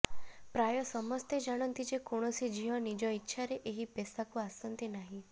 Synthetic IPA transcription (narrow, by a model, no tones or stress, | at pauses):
pɾajɔsɔmɔst̪ed͡ʒaɽ̃ɔnt̪id͡ʒekoɽ̃ɔsid͡ʒiɦɔnid͡ʒɔitːʃʰaɾeʔeɦipɛsakũasənt̪enaɦĩ